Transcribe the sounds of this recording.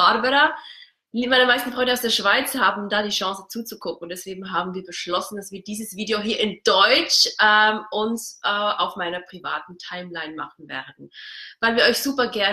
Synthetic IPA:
aɾbɛɾɐ | maɪnɐmaɪstn̩fʁɔʏndəaʊsd̥eːɐʃv̥aɪt͡shaːbm̩daːɾiːʃɑ̃ŋsət͡suːt͡sukʰʊk̚ŋ̩ʊntd̥ɛsv̥eːɡŋ̩ɦaːbm̩viːɐbəʃlɔsn̩d̥asv̥iːɐd̥iːzəsv̥iːdeoɦiːɐɪnd̥ɔʏt͡ʃɛːmʔʊnsʔɛʔaʊfmaɪnɐpʁ̥iva̰ːtn̩tʰaɪmlaɪnma̰χn̩vɛ̰ːɐdn̩vaɪlviːɐʔɔʏçz̥uːpɐɡɛɐ

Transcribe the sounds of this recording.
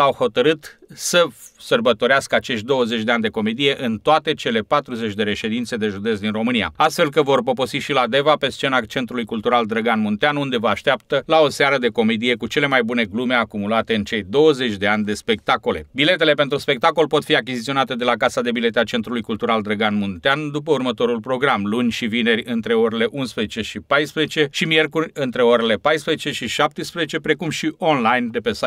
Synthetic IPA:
awho̞t̪əɾɨt̪səsərbət̪o̞ɾeaskəat͡ʃe̞ʃt̪̚ʲd̪o̞wəzet͡ʃʲd̪e̞anʲd̪e̞ko̞me̞d̪ije̞ʔɨnt̪oat̪e̞t͡ʃe̞le̞pat̪ɾuze̞t͡ʃʲd̪e̞ɾe̞ʃe̞d̪int̪se̞d̪e̞ʒud̪e̞s̬d̪inro̞mɨnija̰ast̪fe̞lkəvo̞rp̬o̞po̞siʃilad̪e̞vape̞st͡ʃe̞nat͡ʃe̞nt̪ɾulujkult̪uɾald̪ɾəɡanmunt̪eanund̪e̞vəaʃt̪eap̚t̪əlao̞seaɾəd̪e̞ko̞med̪ije̞kut͡ʃe̞le̞majbune̞ɡlume̞akumulat̪e̞ɨnt͡ʃe̞jd̪o̞wəze̞t͡ʃʲd̪e̞anʲd̪e̞spe̞k̚t̪ako̞le̞bile̞t̪e̞le̞pe̞nt̪ɾuspe̞k̚t̪ako̞lpo̞t̪fiak̬ʲizit̪sio̞nat̪e̞d̪e̞lakasad̪e̞bile̞t̪eat͡ʃe̞nt̪ɾulujkult̪uɾald̪ɾəɡanmunt̪eand̪up̬əurmət̪o̞ɾulpɾo̞ɡɾamlunʲʃivine̞rʲɨnt̪ɾe̞o̞ɾʲele̞ʔunspɾezet͡ʃe̞ʃipajspɾezet͡ʃe̞ʃimije̞rkurʲɨnt̪ɾe̞o̞ɾele̞pajspɾezet͡ʃe̞ʃiʃap̚t̪əspɾezet͡ʃe̞pɾe̞kumʃiʔo̞nlajnd̪e̞pesa

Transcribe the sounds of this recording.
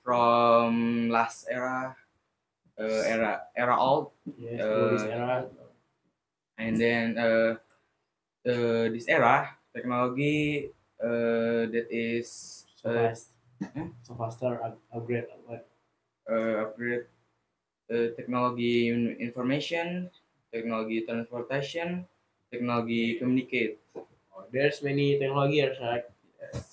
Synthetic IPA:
fɾɔmlastɛɾa | ʔəɛaʔɛɾaʔɔlt̪̚jɛəɛa | ɛ̃ndɛnə | ədisɛɾat̪ɛk̚noloɡi | ədɛt̪ɪs | ə | səfast̪əɹaaɡɾet̪aa | əap̚ɡɾet̪̚ | ət̪ɛk̚noloɡiinfɔrmeʃɔn | t̪ɛk̚noloɡit̪ɾãnspɔrt̪aʃiɔn | t̪ɛk̚noloɡikomjuniket̪̚ | odɛɹsmɛnit̪ɛk̚noloɡiɛɹslat̚jɛs

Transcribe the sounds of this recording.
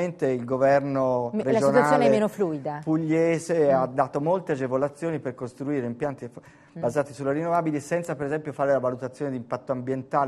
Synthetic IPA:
ent̪eilɡovɛrnoɾed͡ʒonaslnɛemenofluid̪apuʎːeːzead̪ːaːt̪omolt̪ead͡ʒevolat̪sːjoːniperkost̪ɾuiːɾeimpjant̪i | bazaːt̪isulːeɾinːovaːbilisɛnt̪sapeɾezɛmpjofaːɾelavalut̪at̪sːjoːned̪impat̪ːoambjent̪aːl

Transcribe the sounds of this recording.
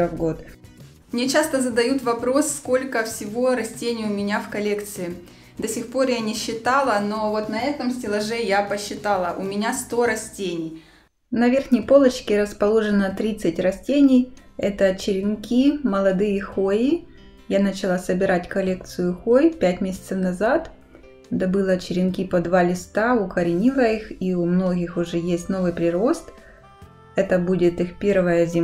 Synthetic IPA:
vɡot̪ | mnʲe̞t͡ɕast̪əzəd̪ɐjut̪vɐpɾo̞sːko̞lʲkəfsʲɪvo̞ɾɐsʲtʲenʲɪjʊmʲɪnʲafkɐlʲe̞kt̪sɨɪ | d̪ɐsʲɪxpo̞rjanʲɪɕːɪt̪alˠəno̞vo̞t̪nɐɛt̪əmsʲtʲɪlˠɐʐɛjapəɕːɪt̪alˠəʔʊmʲɪnʲast̪o̞ɾɐsʲtʲenʲɪj | nɐvʲe̞rxnʲəjpo̞lˠət͡ɕkʲɪɾəspɐlˠo̞ʐɨnət̪ɾʲit̪sɨtʲrɐsʲtʲenʲɪjɛt̪ət͡ɕɪɾʲɪnkʲimɐlˠɐd̪ɨjəxojɪ | janɐt͡ɕɪlˠasəbʲɪɾatʲkɐlʲe̞k̚t̪sɨjʊxojpʲætʲmʲesʲɪ̥t̪səfnɐzat̪ | d̪ɐbɨlˠɐt͡ɕɪɾʲɪnkʲipɐd̪valʲɪst̪aʊkɐɾʲɪnʲilˠəixiʊmno̞ɡʲɪxʊʐɛjesʲtʲno̞vɨjpɾʲɪɾo̞st̪ | ɛt̪əbudʲɪt̪ɨxpʲervəjəzʲɪ

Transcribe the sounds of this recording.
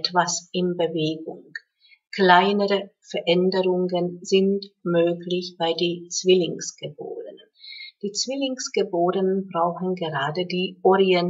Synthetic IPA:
tv̥asʔɪnbəveːɡʊŋ | kl̥aɪnəʁəfɛɐʔɛndəʁʊŋənzɪntmøːklɪçb̥aɪdeːt͡sv̥ɪlɪŋsɡ̥əbo̰ːʁənənd̥iːt͡sv̥ɪlɪŋsɡ̥əboːdənənbʁaʊxn̩ɡəʁaːdədiːʔɔʁiɛn

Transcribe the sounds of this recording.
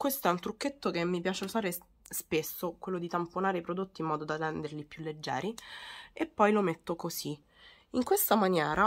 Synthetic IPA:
kwest̪oɛunt̪ɾukːet̪ːokemːipjaːt͡ʃeosaːɾe | spesːokwelːod̪it̪amponaːɾeipɾod̪ot̪ːiːmːɔːd̪od̪arɛnd̪erlipjulːed͡ʒːɛ̰ːɾiepːɔjlomet̪ːokosi | iŋkwest̪amanjɛːɾa

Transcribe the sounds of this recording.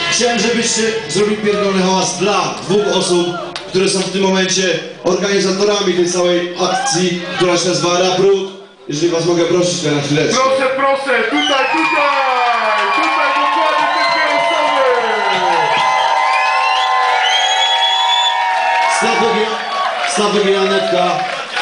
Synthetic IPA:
xt͡ɕawɛmʐɛbɪɕt͡ɕɛzɾɔbʲilpʲjɛɾɡ̪ɔnɦaasd̪lad̪vuxɔsup | kt̪uɾɛsɔ̃w̃ft̪ɘmːɔmɛnt͡ɕɛ | ɔɾɡaɲizat̪ɔɾamʲit̪ɛjt̪sawɛjak̚t̪sʲjik̚t̪uɾaɕɛnazvawaɾabɾut̪ | jɛʐɛlʲivasmɔɡɛpɾɔɕit͡ɕt̪ɛnaxfʲilɛt̪pɾɔsɛpɾɔsɛt̪ut̪ajt̪ut̪ajt̪ut̪ajt̪ut̪ajt̪ut̪aa | sɔmɛ | snat̪ɔvʲ | snavɔvʲiɾanɛt̪ka

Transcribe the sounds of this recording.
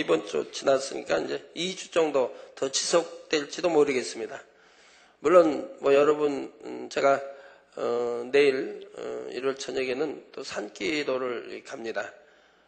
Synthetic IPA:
ibʌnt͡ɕ͈o̰t͡ɕinas͈ɯɲḭk͈a̰ind͡ʑe̞id͡ʑʰu̥t͡ɕ͈ʌŋdotʌt͡ɕisʰʌk̚t͈weɭt͡ɕ͈idomoɾɯɡe̞s͈ɯmɲida | muɭːonmwʌjʌɾʌbɯnt͡ɕeɡa | ʌne̞iɾʌ̰ḭɾʌɭt͡ɕʰʌɲeɡenɯnt͈osʰank͈idoɾɯɭḭkamɲida

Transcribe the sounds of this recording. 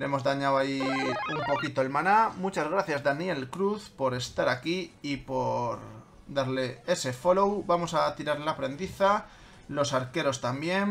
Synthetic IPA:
ɾe̞mo̞zðaɲawaiumpo̞kit̪oelmanamut͡ʃazɣɾaθjazðanje̞lkɾuθpo̞ɾe̞st̪aɾakiipo̞ɾ | d̪aɾle̞e̞se̞fo̞lowbamo̞sat̪iɾaɾlapɾe̞nd̪iθa | lo̞saɾke̞ɾo̞st̪ambje̞n

